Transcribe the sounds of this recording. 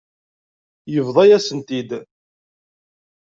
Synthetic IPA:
jəvðˤɑjæsənt̪id̪

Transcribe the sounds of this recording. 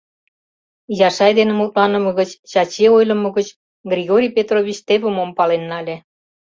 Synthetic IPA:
jɑʃɑjd̪enĕmult̪lɑnə̆mə̆ɣət͡ɕt͡ɕɑt͡ɕeojlə̆mɤ̆ɣət͡ɕ | ɡrʲiɣoɾʲijpet̪roβʲit͡ɕt̪eβə̆mompɑlenːɑlʲe

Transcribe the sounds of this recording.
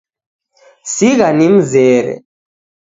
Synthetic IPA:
siɣanim̩zɛːɾɛ̰

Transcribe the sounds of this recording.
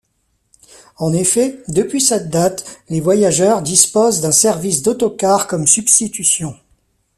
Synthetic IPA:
ɑ̃nefɛd̪əpɥisɛt̪̚d̪at̪levwajaʒœʁd̪ispozd̪ɛ̃sɛʁvis̬d̪ɔt̪ɔkaʁkɔmsybst̪it̪ysjɔ̃

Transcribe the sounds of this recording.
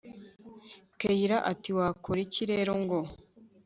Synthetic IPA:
kejiɾaʔatiwaːkʰoɾiciɾeɾoŋɡo

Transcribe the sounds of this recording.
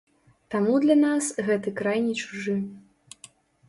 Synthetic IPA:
t̪amud̪lʲɐnasɣɛt̪ɨkɾajnʲɛt͡ʃuʐɨ

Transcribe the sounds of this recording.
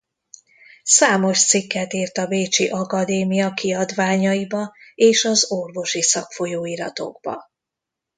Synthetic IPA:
saːmo̞ʃt̪sikːɛt̪iːrt̪ɒbeːt͡ʃiʔɒkɒd̪eːmijɒkiɒd̪ʋaːɲɒibɒeːʃɒzo̞rvo̞ʃisɒkfo̞joːiɾɒt̪o̞̰ɡbɒ̰

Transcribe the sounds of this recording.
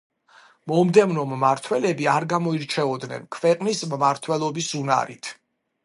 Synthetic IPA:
mɔmd̪ɛvnɔmːaɾt̪ʰwɛlɛbiaɾɡamɔiɾt͡ʃʰɛɔd̪nɛ̰nkʰvɛqʼnismːaɾt̪ʰwɛlˠɔbisuna̰ɾit̪ʰ

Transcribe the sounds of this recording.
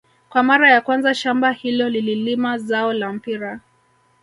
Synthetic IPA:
kwamaɾajakwanzaʃambahilɔlililimazaɔlam̩piɾa

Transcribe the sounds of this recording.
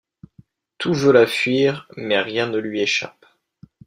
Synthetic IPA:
t̪uvølafɥiːʁmɛʁjɛ̃nəlɥieʃa̰p

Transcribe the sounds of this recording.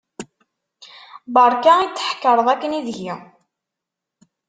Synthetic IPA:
bəɾˤkæit͡sːə̥ħkːəɾˤəðˤækːəniðʝi

